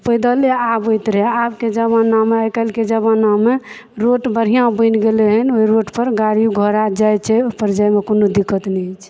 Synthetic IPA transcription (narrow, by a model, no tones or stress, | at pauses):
pəjd̪aleabojt̪ɾɛɦabked͡ʒəbãnameajkəlked͡ʒəβãname | ɾoʈbəɾ̤ijãbə̃nɡeleɦənoiɾoʈpəɾɡaɾijuɡʱəɾad͡ʒajt͡ʃʰɛpəɾd͡ʒajmekonod̪ikːət̪nɛt͡ʃʰ